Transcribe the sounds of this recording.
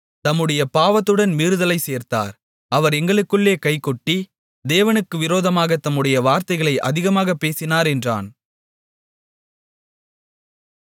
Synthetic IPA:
t̪ɐmːɯɽɐjɐpaːʋɐt̪ːɯɽɐnmiːɾɯðɐlɐɪseːɾt̪a̰ːɾ | ʔɐʋɐɾɛŋɡɐɭɯkːɯɭːeːkɐɪkːɔʈːi | d̪eːʋɐnɯkːɯʋɪɾoːðɐmaːɣɐt̪ɐmːɯɽɐjɐʋaːɾt̪ɐɪɣɐɭɐɪʔɐ̰ðɪɣɐmaːɣɐpːeːsɪnaːɾɛndra̰ːn

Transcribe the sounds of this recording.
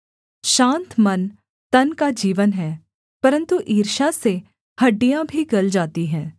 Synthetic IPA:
ʃãːnt̪mɐn | t̪ɐnkad͡ʒiːʋənɦɛː | pɐɾə̃nt̪uʔiːɾʃase | hɐɖːijãbʱiɡɐld͡ʒaːt̪iɦɛ̃ː

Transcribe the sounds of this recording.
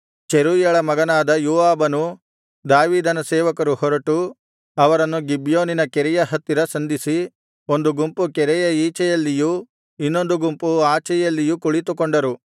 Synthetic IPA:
t͡ʃeɾuːjɛɭɐmɐɡɐnaːd̪ɐjuːaːbɐnu | d̪aːʋiːd̪ɐnɐsɛːʋɐkɐɾuhɔɾɐʈu | ɐʋɐɾɐnːuɡibjoːninɐkɛɾɛjɐɦɐt̪ːiɾɐsɐnd̪isi | o̞nd̪uɡumpukɛɾɛjɐiːt͡ʃɛjɐlːiju | inːo̞nd̪uɡumpuaːt͡ʃɛjɐlːijukuɭit̪ukoɳɖɐɾu

